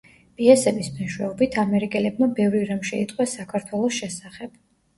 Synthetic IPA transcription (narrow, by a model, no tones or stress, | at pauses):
pʼiɛsɛbismɛnʃwɛɔbit̪ʰamɛɾikʼɛlɛb̚mabɛvɾiɾamʃɛit̪ʼqʼwɛsakʰaɾt̪ʰwɛlˠɔsʃɛsaχɛb̥